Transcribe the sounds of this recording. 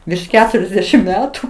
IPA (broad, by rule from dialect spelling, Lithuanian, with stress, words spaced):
ʋʲɪrʃ ˈkʲæːtʊrʲɛzʲdʲɛʃʲɪm ˈmʲæːtʊ